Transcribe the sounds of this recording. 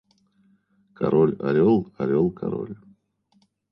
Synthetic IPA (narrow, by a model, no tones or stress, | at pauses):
kʰɐɾolʲɐɾʲolˠɐɾʲolˠkʰaɾo̰lʲ